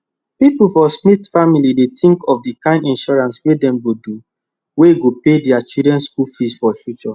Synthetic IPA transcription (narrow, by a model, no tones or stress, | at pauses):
pipufɔsnitfamilidet̪ʰĩŋkɔfdikãɪ̃ndĩnʃɔɹãnswedɛ̃mɡodu | weɡopedɛat͡ʃudɹɛ̃nskulfisfɔfjut͡ʃɔ